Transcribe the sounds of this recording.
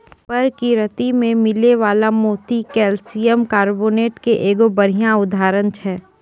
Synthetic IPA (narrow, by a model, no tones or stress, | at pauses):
pɐɾkiɾɐt̪imẽmɪleʋaːlamoːt̪ikɛːlsijəmkaːɾboːneːʈkeʔeːɡobɐɾijãʊd̪ʱaːɾənt͡ʃʰɛː